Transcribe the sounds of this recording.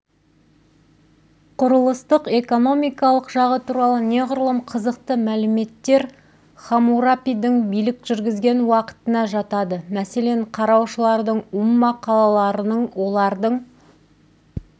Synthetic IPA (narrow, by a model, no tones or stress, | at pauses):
qʰʊɾəlˠəst̪əqe̞ko̞no̞mijkɑlˠəqʒɑʁət̪ʰuɾɑlˠəne̞ʁʊɾəlˠəmqʰəzəqt̪əmælɪme̞t̪ːe̞ɾ | χamuɾapijd̪ɪŋbijlɪkʒ̥ʏɾɡʲɪzɡʲe̞nwɑqə̥t̪ənɑʒɑt̪ɑd̪əmæse̞le̞ɴqʰɑɾɑwʃəlˠɑɾd̪əɴʊmːɑqʰɑlˠɑlˠɑɾənəɴwo̞lˠɑɾd̪əɴ